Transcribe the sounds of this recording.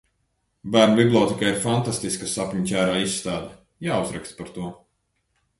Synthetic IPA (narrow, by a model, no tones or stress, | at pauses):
bæːɾnuviblˠɔːt̪ikaiɾfant̪ast̪iskasapʲɲcʲæːɾaːisːt̪aːd̪a | jaːuzɾɛkst̪paɾt̪uɔ